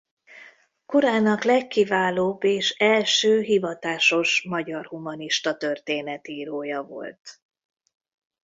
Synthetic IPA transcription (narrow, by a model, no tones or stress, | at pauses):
koɾaːnɒklɛkːivaːloːbːeːʃɛlʃøːɦivɒt̪aːʃo̞ʃmɒɟɒrhumɒniʃt̪ɒt̪ørt̪eːnɛt̪iːɾoːjɒvo̞̰lt̪